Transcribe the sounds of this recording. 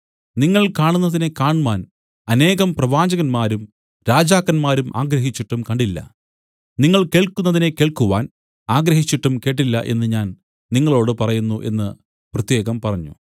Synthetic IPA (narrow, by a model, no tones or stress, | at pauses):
niŋːɐɭkaːɳunːɐðine̞kaːɳuʋaːn | ɐne̞ːɣɐmprɐʋaːd͡ʑɐɣɐnmaːɾum | ɾaːd͡ʑaːkːɐnmaːɾumʔaːɡɾɐɦit͡ɕːiʈːumkɐɳɖilːɐ̰ | niŋːɐɭke̞ːɭkunːɐðine̞ke̞ːɭkuʋaːn | aːɡɾɐɦit͡ɕːiʈːumke̞ːʈ̬ːilːɐʔe̞̰nːɨɲaːn | niŋːɐɭo̞ːɽɨpɐrɐjunːuʔe̞̰nːɨ | prɐt̪je̞ːɣɐmpɐrɐɲːṵ